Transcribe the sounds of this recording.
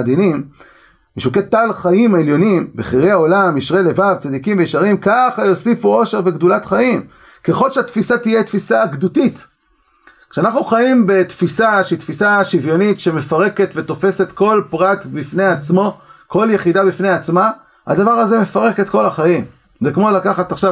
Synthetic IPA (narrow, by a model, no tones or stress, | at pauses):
ad̪inim | miʃuket̪alχajimaeljo̞nimbeχiʁejao̞lamiʃʁelevavt͡sad̪ikimvejiʃaʁimkaχajo̞sifuo̞ʃeʁve̞ɡd̪ulatχajim | ke̞χo̞lʃeat̪fisat̪ijet̪fisaɡdutit̪ | kʃeanaχnuχajimbe̞t̪fisaʃit̪fisaʃivjo̞nitʃe̞me̞faʁe̞ke̞t̪vet̪o̞fe̞se̞t̪ko̞lpʁat̪bifne̞at͡smo̞ko̞ljeχid̪abifneat͡sma | ha̰d̪avaʁaze̞me̞faʁe̞ke̞t̪ko̞laχajim | zekmo̞lakaχat̪aχʃa